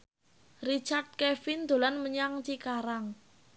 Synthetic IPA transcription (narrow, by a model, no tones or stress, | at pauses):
rit͡ʃard̪̚kɛfind̪̥o̤lanməɲaŋt͡ʃikaɾaŋ